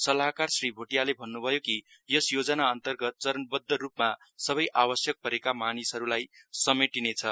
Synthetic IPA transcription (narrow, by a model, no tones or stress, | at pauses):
sʌlaɦkarsribʱoʈijalebʱʌnːubʱʌjoki | jʌsjod͡zʌnaʌnt̪ʌrɡʌt̪̚t͡sʌɾʌnbʌd̪ʱːʌrupma | sʌβʌjʔabʌsjʌk̚pʌɾekamanisɦʌɾulajsʌmeʈinet͡sʰʌ